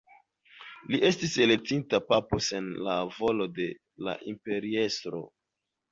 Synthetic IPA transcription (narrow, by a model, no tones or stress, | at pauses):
liʔe̞stise̞lek̚tintapapose̞nlavo̞lo̞de̞ | la̰ʔimpe̞ɾiestɾo̰